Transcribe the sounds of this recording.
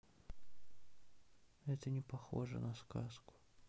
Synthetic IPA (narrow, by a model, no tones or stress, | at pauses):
ɛt̪ənʲɪpɐxoʐə̰nɐskaskʊ̥